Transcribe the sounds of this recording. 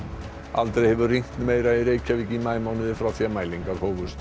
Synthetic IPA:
a̰lt̪ɾejhɛvʏriŋ̥kt̪nmejɾaiɾeːjcavicimaːjmawnʏðɪfɾaθiamaːjliŋkaɾhoːwvʏst̪

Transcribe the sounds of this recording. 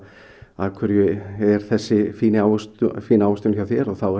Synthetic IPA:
akʰvʏɾjʏɛɾ̥θɛsːɪfiːnɪaːwst̪fiːnaːwʏst̪ʏnçjawθjɛɾɔɣθawɛ

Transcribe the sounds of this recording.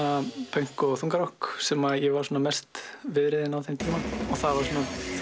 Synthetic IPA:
apʰeŋ̥kɔɣθuŋkaɾɔhksɛmaðjɛɣvaɾsoːnamɛrst̪vɪðɾɪðɪnawθejmt̪ʰiːmaɔθaðvaɾ̥sɔːna

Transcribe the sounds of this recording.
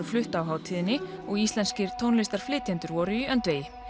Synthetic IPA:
aflʏht̪awɦaːwt̪ʰiːðɪnːɪɔɣist̪lɛnscɪɾ̥t̪ʰoːwnlɪst̪aɾ̥flɪːt̪ʰjɛnt̪ʏɾvɔɾʏiœnt̪veːjɪ

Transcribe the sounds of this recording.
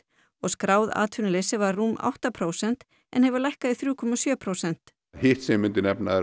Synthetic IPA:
ɔɣskɾaːwða̰ːt̪ʰʏnɪlesɪvaɾːuːma̰wht̪apʰɾowsɛn̥t̪ | ɛ̰nhɛvʏɾlajhkaðɪθɾuːkʰɔmasjœːpʰɾowsɛn̥t̪ | hɪht̪sɛmmːʏnt̪ɪnɛpnaɛ

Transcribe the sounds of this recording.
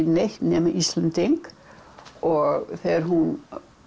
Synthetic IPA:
neht̪nɛːmaʔist̪lɛnt̪ɪŋk | ɔɣθɛːaɾ̥ɦun

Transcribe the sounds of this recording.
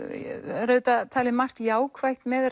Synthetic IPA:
ɾœːɥt̪at̪ʰaːlɪmar̥t̪jaːwkʰvajht̪mɛð

